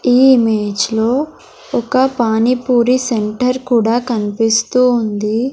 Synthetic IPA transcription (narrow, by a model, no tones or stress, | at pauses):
iːimeːd͡ʒlo̞ː | ɔkɐpaːnipuːɾiseɳʈɐɾkuːɽaːkɐnipist̪uːnd̪i